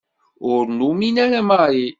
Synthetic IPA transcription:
onuminɛlɛmaje

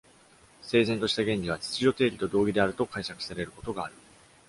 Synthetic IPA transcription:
se̞ːzẽ̞nt̪o̞ɕi̥t̪aɡẽ̞ɲʲɾʲiβ̞at͡ɕi̥t͡sɨʑo̞t̪e̞ːɾʲit̪o̞d̪o̞ːɡʲid̪e̞aɾɯ̟t̪o̞kaiɕakɯ̟̥saɾe̞ɾɯ̟ko̞t̪o̞ɡaːɾɯ̟

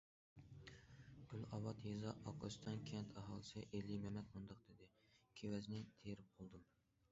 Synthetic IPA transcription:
ɡ̥ylɑwɑt̪jezɑɑqʰɨ̰st̪ʰɑnkʲʰɛnt̪ʰæɦɑlˠɨsɪʔelːimɛmɛt̪mund̪ɑq̚d̪̥ɪd̪ɪkʲʰewɛznɪt̪ʰeɾɪp̚qʰolˠd̪ɨm

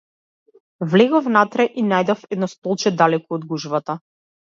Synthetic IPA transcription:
vlɛɡɔfnat̪ɾɛʔinajd̪ɔfɛd̪nɔst̪ɔlˠt͡ʃɛd̪alɛkuɔd̪ɡuʒvat̪a

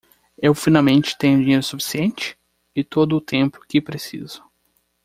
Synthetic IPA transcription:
ewfinawmẽnt͡ʃɪ̥t̪ẽɲʊd͡ʒĩɲejɾʊsufi̥siẽnt͡ʃɪ̥ | ɪt̪od̪ʊːt̪ẽmpʊ̥kɪpɾesḭzʊ̥

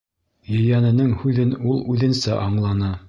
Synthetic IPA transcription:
jɵ̆jænɘ̆nɘŋhʉðɘnulˠʉðɘ̆nsæʔɑɴlˠɑnɤ

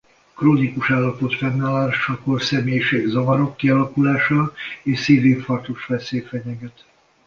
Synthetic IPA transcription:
kroːnikuʃaːlːɒpot̪fɛnːalaːʃɒkorsɛmeːjʃeːɡzɒvɒɾo̞kːiɒlɒkulaːʃɒleːʃsiːveːfɒrt̪oʃfɛseːfɛɲɛɡɛt̪

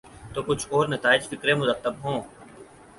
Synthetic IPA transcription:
t̪oːkʊt͡ʃʰɔːɾnɐt̪aːɪd͡ʒfɪkɾẽmʊɾət̪ːəbɦõː

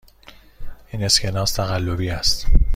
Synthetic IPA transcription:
ʔiːne̞scʰenɒːst̪ʰæɣælːobiːæst̪

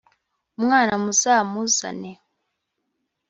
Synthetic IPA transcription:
mŋaːnamusamusa̰nɛ

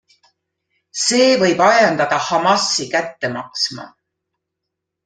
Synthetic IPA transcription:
se̞ːvɤ̞jbɑjɑnd̪ɑd̪̥ɑhɑmɑsːikæt̪ːe̞mɑksmɑ̰

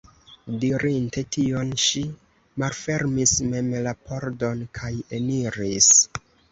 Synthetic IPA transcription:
diɾinte̞tio̞nʃi | malfe̞ɾmisme̞mlapʰo̞ɾdo̞nkʰaje̞niɾis

